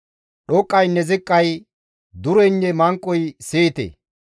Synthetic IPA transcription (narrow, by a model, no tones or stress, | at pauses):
ɗɔkʼːɐjnɛzɪkʼːɐj | d̪ʊɾɔnːɛmɐŋkʼːɔjseːt̪ḛː